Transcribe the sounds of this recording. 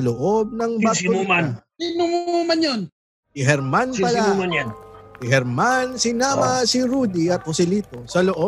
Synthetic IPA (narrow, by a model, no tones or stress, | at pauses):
ɐloʔo̞b̚nɐŋbaʊma | inʊmumɐnjon | ɪɦɛɾmanpɐla | ɪɦɛɾmansɪnaːmɐsɪɾuːd̪iɐt̪̚hʊsɪliːt̪osɐloʔo